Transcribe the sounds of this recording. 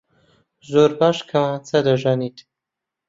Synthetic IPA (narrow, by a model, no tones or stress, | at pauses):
zoːɾbaːʃkʰɐmat͡sʰɐd̪ɐʒanit̪